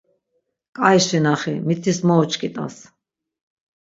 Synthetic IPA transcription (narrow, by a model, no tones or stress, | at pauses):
kʼajʃinaχimit̪ʰismɔɔt͡ʃʰʼkʼit̪ʼa̰s